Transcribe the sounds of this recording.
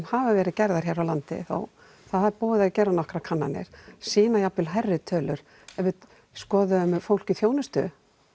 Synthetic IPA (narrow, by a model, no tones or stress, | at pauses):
havavɛːɾɪðcɛɾðaɾ̥çjɛːɾawlant̪ɪ̰θo̰w | θaðhaðɾpɔːðɪacɛɾanɔhkɾakʰanːanɪ̰ɾ̥siːnajapɪlɦɛrːɪt̪ʰœːlʏɾ̥ | ɛvɪð | skɔːðʏʏmfowl̥cɪθjoːwnʏst̪ʏ̰